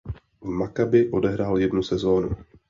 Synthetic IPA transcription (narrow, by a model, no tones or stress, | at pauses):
vmakabɪʔo̞dɛɦɾaːljɛdnusɛzo̞ːnṵ